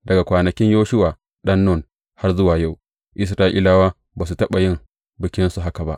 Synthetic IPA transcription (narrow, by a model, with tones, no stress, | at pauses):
dɐ˨ɡa˨kʷaː˨nɐ˨kʲɪ˦ɲjoː˦ʃʊ˦waː˨ | ɗɐ˦nːo˦˨n | ha˦rzʊ˦waː˨ja˦˨w | ʔɪ˦s̬ɾaː˦ʔḭː˦laː˦waː˦ | baː˨s̬u˨tɐ˦ɓa˨jɪ˦ŋ | bɪ˨kʲɪ˦nsu˨ɦa˦ka˨ba̰˦ʔ